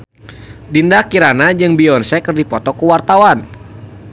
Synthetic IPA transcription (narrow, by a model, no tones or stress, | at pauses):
dindakiɾanad͡ʒɨŋbiɔnsɛkərdipɔt̪ɔkuwart̪awan